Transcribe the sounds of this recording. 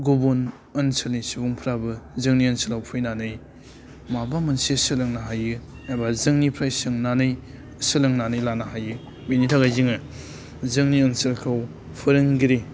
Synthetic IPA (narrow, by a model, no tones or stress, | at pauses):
ɡubon | ɐnsɯlnisubuŋpʰɾabɯzɯŋniɐnsɯlawpʰɯjnanɯj | mabamɯnsesɯlɯŋnaɦajɯ | ajbazɯŋnipʰɾajsɯŋnanɯj | sɯlɯŋnanɯjlanaɦajɯ | minitʰaɡajziŋɯ | zɯŋniɐnsɐlkʰaw | pʰɯɾɯŋɡiɾe